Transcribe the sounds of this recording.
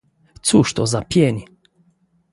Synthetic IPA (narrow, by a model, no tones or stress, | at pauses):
t̪suʃt̪ozapjeni